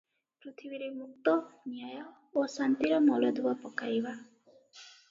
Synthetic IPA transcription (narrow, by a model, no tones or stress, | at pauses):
pɾit̪ʰibiɾemuk̚t̪ɔnjajɔ | osant̪iɾɔmɔlɔd̪uwapɔkajba